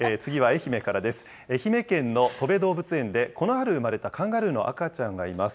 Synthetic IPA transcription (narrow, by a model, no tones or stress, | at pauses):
eːt͡sɨɡʲiβae̞çime̞kaɾad̪e̞sɨ̥ | e̞çime̞kẽ̞nːo̞t̪o̞be̞d̪o̞ːbɯ̟t͡sɨẽ̞nd̪e̞ko̞no̞ɦaɾɯ̟ɯ̟maɾe̞t̪akʰãŋɡaɾɯ̟no̞̰ʔa̰kat͡ɕãŋɡaimasɨ̥